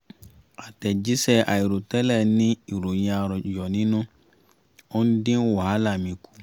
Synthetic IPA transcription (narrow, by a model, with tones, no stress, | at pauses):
a˨tɛ˨d͡ʒi˦sɛ˧ʔa˨i˨ɾo˨tɛ˦lɛ˦˨nĩ˦i˨ɾo˨jĩ˧a˧ɾɔ˨jɔ˨nĩ˦nũ˦ | o˦n̩˦dĩ˦n˦wɔ˨ha˦la˦˨mĩ˧ku̥˨˦